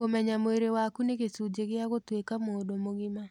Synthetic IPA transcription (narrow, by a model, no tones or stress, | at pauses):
komɛɲamoeɾewakuneɣesud͡ʒeɣɪaɣotwekamodomoɣɪma